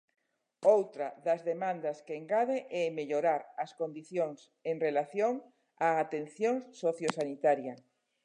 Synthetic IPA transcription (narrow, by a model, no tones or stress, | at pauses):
owt̪ɾɐðɐzðemãnd̪ɐskeeːŋɡaðeʔɛmeʎoɾaɾɐskond̪iθjoŋs | eŋrelaθjoŋ | aːt̪enθjoŋsoθjosanit̪aɾja